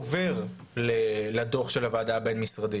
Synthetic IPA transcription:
veʁ | leladoχʃe̞lavaːdabe̞nmisʁadi

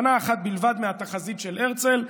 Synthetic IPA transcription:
naːχat̪̚bilvad̪meat̪aχazit̪ʃe̞lʔeʁt͡se̞l

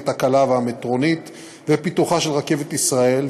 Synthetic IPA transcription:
t̪akalaveamet̪ʁo̞nit̪ | vepit̪uχaʃelʁake̞vet̪isʁae̞l

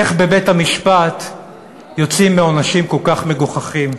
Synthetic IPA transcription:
eχbe̞bethamiʃpat̪ | jo̞t͡simːeonaʃimko̞lkaχme̞ɡuχaχim

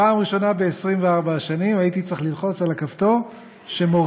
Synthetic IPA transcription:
aːmʁiʃo̞nabe̞esʁimveaʁbaʃanimait̪it͡seχlilχo̞t͡salakavt̪o̞ | ʃe̞moʁ

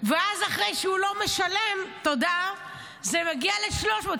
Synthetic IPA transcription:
veazaχʁe̞jʃeulo̞me̞ʃale̞mt̪o̞da | zemaɡiale̞ʃlo̞ʃmot

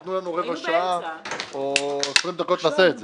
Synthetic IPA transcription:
t̪nulanuʁeɡaʃaaoesʁimd̪ako̞t̪laseːtze

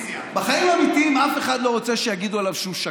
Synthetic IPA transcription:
beχajimamit̪iimafe̞χad̪lo̞ʁo̞t͡seʃejaɡid̪ualavʃumʃa

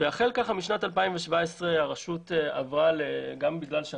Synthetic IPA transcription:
veaχe̞lkaχamiʃnatalpaimveʃvaesʁeaʁaʃuteavʁaleɡambiɡlalʃe

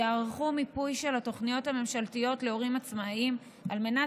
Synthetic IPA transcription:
aaʁχumipujʃe̞lhato̞χnijo̞thame̞mʃaltijo̞tle̞o̞ʁimat͡smaim | alme̞na

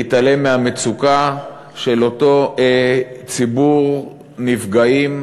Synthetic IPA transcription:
itale̞meamet͡suka | ʃe̞loto̞ | t͡sibuʁ | nivɡaim

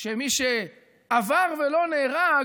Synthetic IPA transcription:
ʃemiʃe | avaʁvelo̞neːʁa

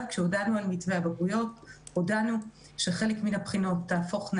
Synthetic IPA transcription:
kʃeodanualmitveabaɡujo̞todanu | ʃe̞χe̞lekminapχino̞tːaːfo̞χn

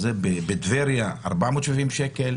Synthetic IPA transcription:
zebebed̪veɾjaa̰ɾbamot̪ʃevimʃekel

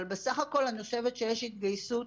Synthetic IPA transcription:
lbesaχako̞lhano̞ʃe̞vet̪ʃejeʃhit̪ɡajsu

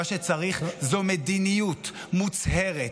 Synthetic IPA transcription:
aʃet͡saʁiχzomed̪inijut̪ | mut͡sheʁe

